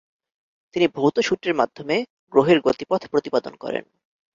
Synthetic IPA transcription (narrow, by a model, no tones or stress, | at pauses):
t̪inibʱowt̪oʃuʈeɾmad̪ʱːome | ɡɾoɦeɾɡot̪ipɔd̪ʱpɾot̪ipad̪o̰nkɔ̰ɾḛn